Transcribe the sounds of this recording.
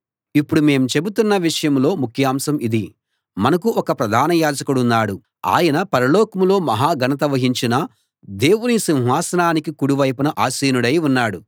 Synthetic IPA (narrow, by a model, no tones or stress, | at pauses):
ipːuɽume̞ːmt͡ʃe̞but̪unːɐʋiʂɐjɐmlo̞ːmukʰjaːmsɐmid̪i | mɐnɐkuʔɔkɐpɾɐd̪ʱaːnɐjaːd͡ʒɐkuɽunːaːɽu | a̰ːjɐnɐpɐɾɐlɔːkɐmlo̞ːmɐɦaːɡɐnɐt̪̬ɐʋɐɦiɲt͡ʃinɐ | d̪e̞ːwunisiw̃ɦaːsɐnaːnikikuɽuʋɐjpunɐʔaːsiːnuɽɐjunːaːɽu